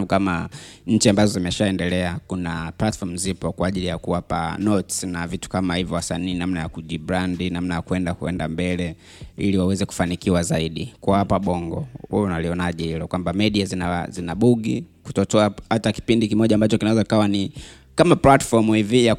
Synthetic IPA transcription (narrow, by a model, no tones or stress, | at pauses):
kamaɲ̩t͡ʃiambazɔzimɛʃaɛndɛlɛakunaplatfɔm̩zipɔkwaːʄilijakuapa̰nɔtsnavitu̥kamahivjɔwasaniːnamnajakuʄiɓɾandinamnajakuɛndakuɛndambɛlɛ | iliwawɛzɛku̥fanikiwazaiɗikuapaɓɔŋɡɔ̰huɔnaliɔnaʄɛhilɔkwambamɛɗiazinazinaɓuɡiku̥tɔtɔahataki̥pindikimɔʄaːmbat͡ʃɔkinawɛzɔikawani | kamaplatfɔmivija